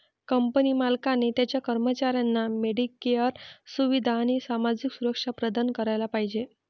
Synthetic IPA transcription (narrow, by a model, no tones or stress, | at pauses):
kəmpənimalkanet̪jat͡ɕjakəɾmət͡ɕaɾjanːameɽikːejəɾsuʋid̪ʱaːɽ̃isamad͡ʑiksuɾəkʂapɾəd̪ankəɾajlapaɦid͡ʑe